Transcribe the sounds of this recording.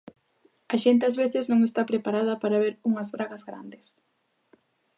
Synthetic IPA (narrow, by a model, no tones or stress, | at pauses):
aʃent̪̬eazβeθɪznõŋest̪apɾepaɾað̞ɐpaɾaβeɾuŋɐzβɾaɣɐzɣɾa̰nd̪ɪs